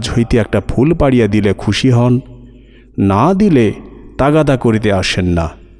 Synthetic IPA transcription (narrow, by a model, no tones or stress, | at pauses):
d͡ʑɦojt̪eɛk̚ʈapʰulpaɽijad̪ilekʰuʃiɦɔnː | ad̪ilet̪aɡad̪akoɾit̪̬eaʃenːa